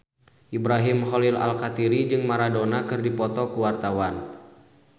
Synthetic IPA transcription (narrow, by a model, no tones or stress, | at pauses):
ʔibɾaɦimholɪla̰lkat̪iɾid͡ʒɨŋmaɾadonakɨrdipɔt̪ɔkuwart̪awan